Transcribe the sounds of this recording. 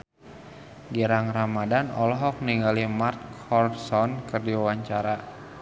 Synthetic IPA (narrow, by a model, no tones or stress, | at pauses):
ɡiɾaŋramadanɔlɔɦɔk̚niŋɡalimart̪̚hɔrsɔnkərdiwawaɲt͡ʃaɾa